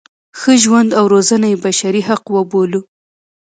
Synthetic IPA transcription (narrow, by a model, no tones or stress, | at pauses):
xəʒwand̪awɾozanajebaʃaɾiɦaqwəbolu